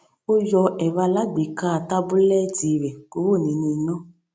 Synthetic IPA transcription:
o˦jɔ˧ɛ˨βa˧la˦ɡ͡be˨ka˦˨ta˦bu˦lɛ˦di˨ɾɛ˨ko˨˦wo˦˨nĩ˨˦nĩ˧˦nɔ̃˦˨

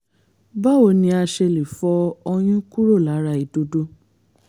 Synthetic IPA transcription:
ba˦o˨nĩ˧a˧ʃe˧li˨fɔ˧o˧j̃ũ˦ku˦ɾo˦˨la˨˦ɾa˧˦˨i˨do˧˦do˦

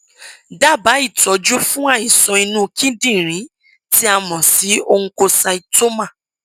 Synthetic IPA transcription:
da˦˨ba˨˦i˦˨tɔ˨˦d͡ʒu˦fũ˦a˦˨ĩ˨sɔ̃˧i˧nũ˦kʰĩ˦dĩ˦˨ɾ̃ĩ˨˦ | ti˦a˧mɔ̃˨si˨˦o˧ũ˧ko˧sa˧i˧to˦mã˦˨

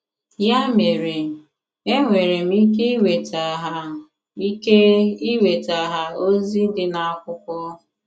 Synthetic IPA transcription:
ja˦me˨ɾe˨ | e˦ŋʷe˨ɾe˨m̩˦i˦k̬e˦i˦we˨tʰa˨ɦa˨ | i˦ke˦i˦we˨ta˨ɦa˨o˦zi˦dɪ˦na˨a˦kʷʊ˦kʷɔ˦˨

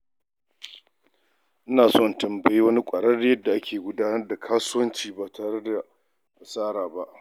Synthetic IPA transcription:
ʔɪ˦naː˨sɔ˦˨ntɐ˨mbɐ˨ji˦wɐ˦ni˦kʷʼɐ˨ɽɐ˦rda˨jɐ˦dːa˨ʔa˦kʲeː˨ɡʷʊ˦daː˦nɐ˦rda˨kʰaː˦sʊ˦wɐ˦nt͡ʃiː˨baː˨tʰaː˨ɽe˦da˨ | a˨sʼaː˦ɽaː˨ba˦ʔ

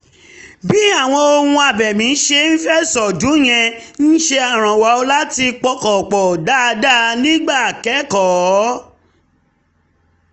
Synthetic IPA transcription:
bi˦a˦˨w̃ɔ̃˧o˧hũ˧a˨bɛ˨mĩ˨˦ʃe˧n̩˦fɛ˦˨sɔ˨dũ˨˦j̃ɛ̃˧n̩˦ʃe˧a˨ɾ̃ã˨wa˨˦o˧la˦ti˧k͡pɔ˧˦kɔ˨k͡pɔ˨da˦˧da˦nĩ˦ɡ͡ba˦˨kɛ˨˦kɔ˨˦

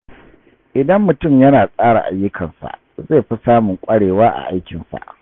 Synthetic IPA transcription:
ʔɪ˨dɐ˦mːʊ˨tʊ˦˨mjɐ˦naː˨sʼaː˦ɽa̰˨ʔa̰˨jːʊ˦kʰɐ˨nsa̰˨ʔ | ze˦˨ɸi˦saː˦mʊ˨ŋkʷʼɐ˦ɽeː˨waː˦ʔa̰˨ʔa˦jkʲɪ˨nsa̰˨ʔ

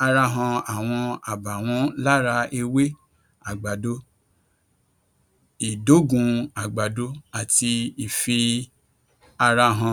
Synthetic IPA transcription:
a˧ɾa˧ɦã˧a˨w̃ɔ̃˧a˨ba˨w̃ɔ̃˨˦la˦ɾa˧e˧we˦ | a˨ɡ͡ba˨do˦ | i˨do˨˦ɡũ˧a˨ɡ͡ba˨do˦a˨ti˧i˨fi˧ | a˧ɾa˧ɦã˧

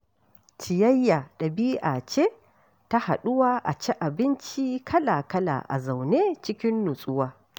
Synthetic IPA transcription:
t͡ʃɪ˨jɐ˦jːa˨ɗɐ˨biː˦ʔa˨t͡ʃe˦ | ta˦ha̰˨ɗʊ˦waː˦ʔa̰˨t͡ʃɛ˦ʔa˨bɪ˦nt͡ʃiː˦kʰɐ˦la˨kɐ˦la̰ː˨ʔa̰˨za˨wneː˦t͡ʃɪ˦kʲɪ˦nːʊ˨sʼʊ˦waː˦

